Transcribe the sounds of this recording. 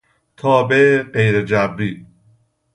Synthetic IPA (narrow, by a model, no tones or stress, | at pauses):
t̪ʰɒːbeʔeɢejɾed͡ʒæbɾiː